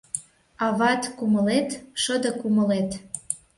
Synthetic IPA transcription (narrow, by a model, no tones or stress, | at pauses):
ɑβɑt̪kuməlet̪ʃəd̪ɤ̆kuməlet̪